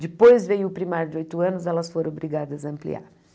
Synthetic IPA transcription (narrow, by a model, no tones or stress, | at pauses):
d͡ʒɪpojzvejʊːpɾimaɾjʊd͡ʒɪojt̪ʊɐ̃nʊzɛlɐsfoɾ̃bɾiɡad̪ɐzɐɐ̃mplḭa̰ɾ